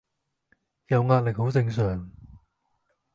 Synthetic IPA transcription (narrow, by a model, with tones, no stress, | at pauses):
jɐ˨˧wŋaː˧t̚lɪ˨k̚ho˨˥wt͡sɪ˧ŋsœː˨˩ŋ